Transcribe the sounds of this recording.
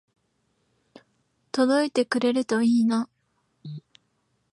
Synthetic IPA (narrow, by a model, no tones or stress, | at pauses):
t̪o̞d̪o̞it̪e̞kɯ̟ɾe̞ɾɯt̪o̞iːna